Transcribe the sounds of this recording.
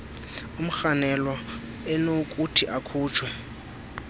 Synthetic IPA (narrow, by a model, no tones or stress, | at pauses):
um̩xanɛlwa | ɛnokʼutʰiʔakʰuːt͡ʃʰwɛ